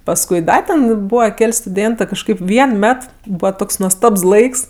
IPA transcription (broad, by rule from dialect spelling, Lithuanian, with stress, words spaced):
pɐsˈkʊɪ ˈdɐ tʲɛn ˈbuːʋɐ ˈkʲɛlʲ stʊˈdʲeːntɜ kɐʃˈkɐɪp ˈʋʲiɛn ˈmʲɛt ˈbuːʋɐ ˈtoːks nuɔsˈtɐps ˈlˠɐɪks